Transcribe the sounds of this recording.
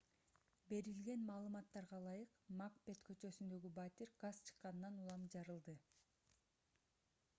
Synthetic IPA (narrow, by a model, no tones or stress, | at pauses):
be̞ɾilɡe̞nmɑːlˠɯmɑt̪ːɑɾʁɑlˠɑjɯqmakbe̞t̪kʰø̞t͡ʃø̞synd̪ø̞ɡibat̪ʲiɾɡast͡ʃʰɯ̥qːɑnnɑnulˠɑmd͡ʒɑɾɯlˠd̪ɯ